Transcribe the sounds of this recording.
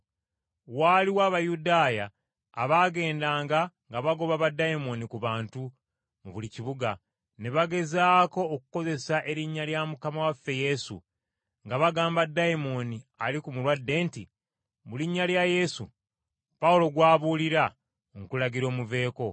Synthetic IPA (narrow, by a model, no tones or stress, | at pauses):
waːliwaːβajudaːjaː | βaɡe̞ːndaːŋɡaŋɡaβaɡo̞βaβadːajimo̞nikuβaːntu | muβuliciβuɡa | ne̞βaɡe̞zaːko̞ːkuko̞ze̞saʔe̞ɾiɲːaljamukamawafːe̞je̞sṵ | ŋɡaβaɡaːmbadːaimo̞nialikumulwadːe̞ːntḭ | muliɲːaljaje̞sṵ | paulo̞ɡwaːβuːliɾa | ŋkulaɟiɾo̞ːmuve̞ːko̞